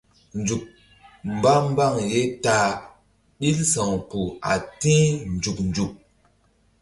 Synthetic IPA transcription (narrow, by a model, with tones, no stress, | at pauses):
nd͡ʒu˨k̚ | m˨ba˦m˦ba˦˨ŋje˦taː˦ | ɗi˦lsã˨ŋku˨a̰˨tĩ˦nd͡ʒu˨knd͡ʒu˨k̚